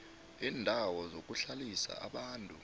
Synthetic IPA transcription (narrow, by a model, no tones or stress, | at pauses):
iːndʱawɔzok̬ʼuɬalisa̰ʔa̰ɓaːntʼu